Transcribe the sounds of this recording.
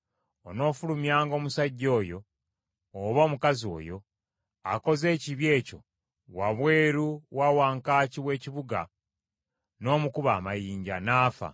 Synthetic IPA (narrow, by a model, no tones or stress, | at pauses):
o̞no̞ːfulumjaːŋɡo̞ːmusaɟːo̞ːjo̞ː | βoːmukazio̞̰ːjo̞ | ako̞ze̞ːciβje̞ːco̞ | waβwe̞ːɾuwawaːŋkaːciβwe̞ːciβuɡa̰ | no̞ːmukuβaːmajiːɲɟa̰naːfa̰